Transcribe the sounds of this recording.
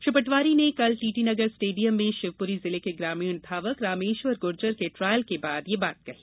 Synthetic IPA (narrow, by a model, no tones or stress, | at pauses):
ʃʊpəʈʋaːɾinekɐlʈiːʈinɐɡəɾsʈeːɖijəmːẽʃɪʋpʊɾizɪlekeɡɾaːmiʊnd̪ʱaːʋəkɾaːmeːʃʋəɾɡʊɾd͡ʒəɾkeʈɾaːjəlkebaːd̪jebaːt̪̚kɐɦi̥ː